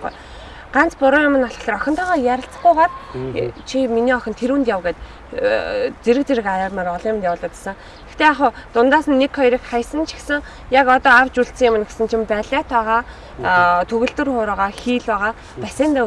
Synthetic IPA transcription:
ṵj | ɢant͡spʊɾʊːjʊmə̆nːɔɮχə̆ɬɮ̆rɔxʲɪ̆nt̪ʰɔːʁɔːjæɾʲɪ̆ɬt͡sə̥̆χɡʊjɢat | t͡ɕʰiminiːɔxʲɞ̆nt̪ʰeɾuːnt̪jaw̆ɣeːt̪ | t͡seɾɘ̆k̚t͡seɾɘ̆kaɾaːrmaːɾɔɮiːmnjawʊːɮə̆t̪ḁsə̆ŋ | ext̪eaχʊːt̪ʊnt̪aːsə̆nːekʰχɔjɾiːkχaj̆sə̆nt͡ɕʰi̥xsə̆ŋ | jakɔt̪ɔːawt͡ɕuɬt̪səŋjɪmɘ̆nɡe̥sɘ̆nt͡ɕʰimpæːɮʲaːt̪ʰɔːʁaː | t̪ʰɵɣɘ̆ɮt̪ɘ̆rχʊːɾɔːʁaːxiːɮwæʁaː | pæsiːnt̪a

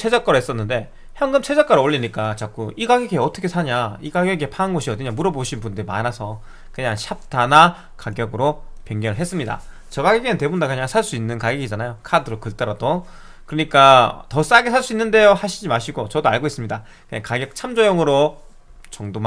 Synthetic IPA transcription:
sʰe̞d͡ʑak͈ʌɾɯɦes͈ʌnːɯnde̞ | çjʌŋɡɯmt͡ɕʰe̞d͡ʑʌk͈ʌɾɯoʎːiɲik͈at͡ɕak͈uiɡaɡjʌɡieʌtʰʌkʰe̞sʰaɲaiɡaɡjʌɡiepʰaanɡʌɕʰiʌdɯɲamuɾʌboɕʰinbundɯɾima̰nasʰʌ | kɯɲaŋɕʰap̚tʰana | kaɡjʌɡɯɾope̞ŋɡjʌnɯɭɦes͈ɯmɲida̰ | t͡ɕʌɡaɡʌɡinɯnte̞bondakɯɲaŋsʰaɭs͈uinːɯnkaɡjʌɡid͡ʑanajokʰadɯɾokɯɭt͈ʌɾado | kɯɾʌɲik͈atʌs͈aɡesʰaɭs͈uinːɯnde̞johaɕʰid͡ʑimaɕʰiɡot͡ɕʌdoaɭɡois͈ɯmɲida | kɯɲaŋkaɡjʌk̚t͡ɕʰamd͡ʑojʌŋɯɾo | t͡ɕʌŋdom

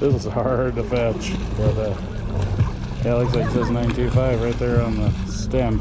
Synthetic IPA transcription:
ðɪswʌzhɑɹd̚tɨfæt͡ʃb̥ʌtʌ | ælˠɨksaksʌznãɪ̃ntʰʉfaɪvɹaɪt̪̚ðə˞ə̃nðə | stæ̃n

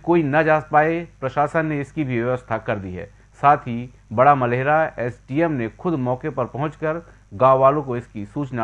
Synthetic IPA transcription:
koːinɐd͡ʒaːspaːepɾɐʃaːsənːeɪskibʱiʋjɐʋəst̪ʰakɐɾd̪iɦɛ̰ː | saːt̪ʰi | bɐɽamɐleːɦɾaɛːsʈiːɛmnexʊd̪mɔːkepɐɾpɐɦʊ̃t͡ʃkəɾ | ɡãːʋʋaːlõkoɪskisuːt͡ʃna

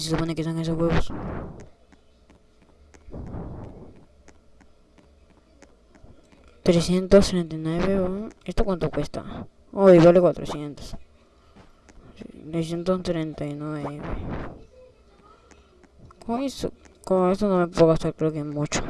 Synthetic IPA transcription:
sisupanẽkisãŋkẽs̬okeβos | t̪ɾesjent̪ost̪ɾẽnt̪̬anweβeõest̪okʷant̪okʷest̪a̰ | oiβalekʷwʷat̪ɾo̰sjent̪o̥s | t̪ɾes̬jent̪ost̪ɾent̪ainweβe | kʰõeokoest̪onõβẽppokast̪aɾkɾeokemũt͡ʃo̥

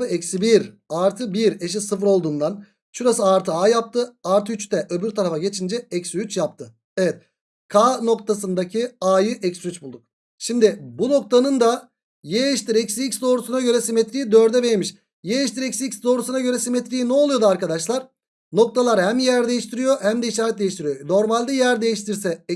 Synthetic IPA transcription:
ɯɛcsibiɾaɾt̪ʰɯbiɾe̞ʃ̬isɯfɾo̞lˠd̪uːnd̪an | ʃuɾasɯaɾt̪ʰɯaːjap̚t̪ʰɯaɾt̪ʰyt͡ʃt̪ʰɛʔø̞byɾt̪ʰaɾafaɟe̞t͡ʃʰind͡ʒɛɛcsyt͡ʃjap̚t̪ʰɯ | evɛt̪̚ | kʰaːno̞k̚t̪ʰasɯnd̪acʰiaːjɯʔɛcsyt͡ʃbulˠd̪uk̚ | ʃimd̪ɪbuno̞k̚t̪ʰanɯnd̪a | jeʃt̪ʰiɾɛcsicsd̪o̞ːɾusunaɟø̞ɾɛsimet̪ɾijid̪ø̞ɾd̪ɛvejemiʃ | jeʃt̪iɾɛcsicsd̪o̞ɾusunaɟø̞ɾɛsimet̪ɾijinɛolˠujo̞d̪uaɾkad̪aʃlˠaɾ̥ | no̞k̚t̪ʰalˠaɾhæmjæɾd̪e̞jiʃt̪ʰiɾijo̞hæmd̪ɛiʃ̬aːɾɛt̪̚d̪e̞jiʃt̪iɾijono̞ɾmalʲd̪ɛjæɾd̪e̞jiʃt̪ʰiɾsɛ

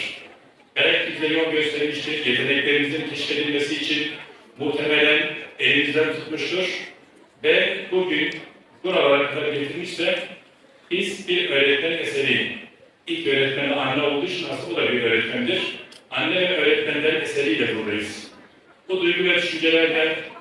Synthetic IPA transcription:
bɛɾɛcbizd̪ɛjo̞lˠɟø̞st̪ʰɛɾmiʃt̪ʰiɾjɛt̪ʰed̪ɛclʲe̞ɾimizincʰeʃi̥fe̞d̪ilʲmesiːt͡ʃʰin | muht̪ʰɛmɛlʲænelimizd̪ænt̪ʰu̥t̪muʃt̪ʰuɾ̥ | vɛbuɟyn | buɾavalˠaɾaklˠaɾɯɡɟeʃt̪ʰiɾmiʃsɛ | b̥izbiɾøːɾɛt̪mæɛsɛɾi | ilʲcøjɾɛt̪mæmɛanʲlːɛo̞lˠd̪uːt͡ʃʰunɦasɯbud̪abiɾøɾɛt̪mæmd̪iɾ̥anʲːɛvɛʔøːɾɛt̪ʰlænd̪ænɛsɛɾijd̪ɛbuɾd̪ajɯz̥ | b̥ud̪ujɡuvɛd̪ʰyʃynd͡ʒɛlʲæɾd̪æn

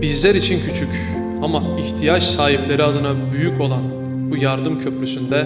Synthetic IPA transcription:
b̥izlʲæɾit͡ʃʰincʰyt͡ʃʰyc | ama | içt̪ʰijat͡ʃsaːɦiplʲe̞ɾiad̪ɯnabyjycʰo̞lˠan | bujaɾd̪ɯmcʰø̞pɾysynd̪ɛ

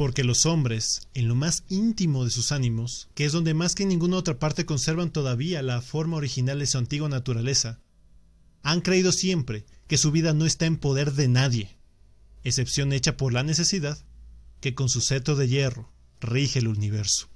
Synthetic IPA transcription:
po̞ɾke̞lo̞so̞mbɾe̞se̞nlo̞masint̪imo̞ð̞e̞susanĩmo̞skeezðo̞nd̪e̞maskenĩŋɡunao̞t̪ɾapaɾt̪e̞ko̞nse̞ɾβant̪o̞ðaβialafo̞ɾmao̞ɾixinald̪e̞suant̪iɣwanat̪uɾale̞sa | aŋkɾe̞ið̞o̞sje̞mpɾe̞ke̞suβiðano̞e̞st̪aempo̞ðe̞ɾðe̞naðje̞ː | se̞psjo̞ne̞t͡ʃapo̞ɾlane̞s̬e̞siðaðke̞ko̞nsuse̞t̪ɾo̞ðe̞ʝe̞ro̞ | rixe̞luniβ̞e̞ɾso̥

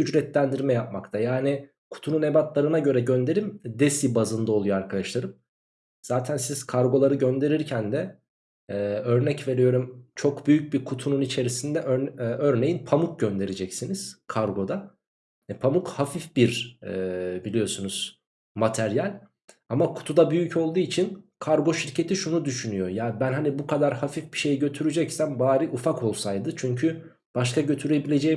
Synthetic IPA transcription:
yd͡ʒɾɛt̪lʲænd̪iɾmɛjap̚makt̪ʰajaːni | kʰu̥t̪ʰunune̞bat̪lˠaɾɯnaɟø̞ɾɛɟø̞nd̪e̞ɾimd̪esibazɯnd̪ao̞lˠujoaɾkʰad̪aʃlˠaɾɯm | z̥aːt̪ʰænsiz̥kʰaɾɡo̞lˠaɾɯɟø̞nd̪e̞ɾiɾcʰænd̪ɛː | ø̞ɾnɛcve̞ɾijo̞ɾumt͡ʃʰo̞kbyjyc̚bikʰut̪ʰununit͡ʃʰe̞ɾisind̪ɛʔøɾøɾne̞jinpʰamuk̚ɟø̞nd̪e̞ɾed͡ʒɛcsiniz̥kʰaɾɡo̞d̪a | ɛpʰamukhafifbiɾɛbilʲijo̞sunuz̥ | mat̪ʰæɾjalʲ | amakʰu̥t̪ʰud̪abyjycʰo̞lˠd̪uːit͡ʃʰinkʰaɾɡo̞ʃiɾcʰe̞t̪ʰiʃunud̪yʃynyjo̞jaːbænɦanibukʰad̪aɾhafifbiʃe̞jiɟø̞t̪ʰyɾyd͡ʒɛcsæmbaːɾiʔufakʰo̞lˠsajd̪ɯt͡ʃʰyɲcʰy | b̥aʃ̬kaɟø̞t̪ʰyɾe̞bilʲe̞d͡ʒɛ

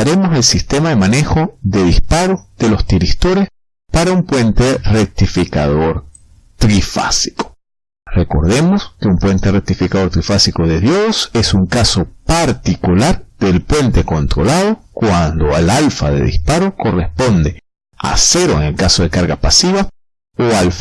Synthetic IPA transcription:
aɾe̞mo̞selsist̪e̞maðe̞mane̞xo̞ðe̞ðispaɾoð̥e̞lo̞st̪iɾist̪o̞ɾe̞s | paɾaumpwe̞nt̪e̞rek̚t̪ifika̰ðoɾ | t̪ɾifa̰si̥ko̥ | re̞ko̞ɾðe̞mo̞ske̞umpwe̞nt̪erek̚t̪ifikaðo̞ɾt̪ɾifasiko̞ðe̞ðjose̞suŋkaso̞paɾt̪ikulaɾd̪e̞lpwe̞nt̪e̞ko̞nt̪ɾo̞laðo̞kwand̪o̞alalfa̰ðḛðḭspaɾoko̞respo̞nd̪e̞ | a̰se̞ɾoeŋelkaso̞ð̞e̞kaɾɣapasiβa | oalf

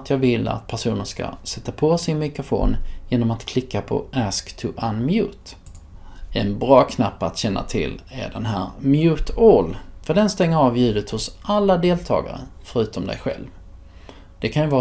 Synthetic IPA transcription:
t̪ʰjɑːɡvɪlːa̰t̪̚pʰæʂuːnəʂka̰sɛt̪ːapʰɔsɪnmɪkɾʊfo̰ːnjeːnɔmat̪kʰlɪkːapʰɔ̰ʔæskt̪ʰɵʔanmjʉ̟ːt̪ | ɛnbɾɑːkʰnapːat̪ɕɛnːa̰t̪ʰɪ̰lːæ̰ɖɛnɦæːɾmjʉ̟ːt̪ɔlfœɖɛnst̪ɛŋːəɾɑːvjʉ̟ːd̪ət̪hʊsʔalːad̪eːlt̪ʰɑ̰ːɡa̰ɾə̰fœɾʉ̟ːt̪ɔmd̪ɛ̰jɧɛ̰lv | d̪̥ɛkʰanjɵvɑː

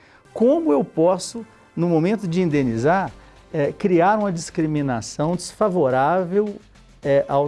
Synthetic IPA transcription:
kõmʊewpɔsʊ | nʊmomẽnt̪ʊd͡ʒɪĩnd̪ẽnizaɾ | ɛkɾiaɾũmɐd͡ʒiskɾimĩnasɐ̃w̃d͡ʒɪsfavoɾavew | ɛʔa

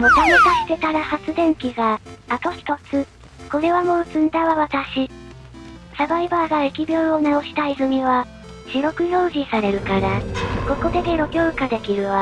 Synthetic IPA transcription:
mot̪amekaɕi̥t̪e̞t̪aɾahat͡sɨd̪ẽ̞ŋkʲiɡaːt̪o̞çi̥t̪o̞t͡sɨ | ko̞ɾe̞βamo̞ːt͡sɨ̃nd̪aβaβat̪aɕi | sabaibaːɡaekʲibʲjo̞ːonao̞ɕi̥t̪aizɨmʲiβa | ɕiɾo̞kɯ̟jo̞ːʑʲisaɾe̞ɾɯ̟kaɾako̞ko̞d̪e̞d̪e̞ɾo̞ɡʲoːkad̪e̞kʲiɾɯ̟βa

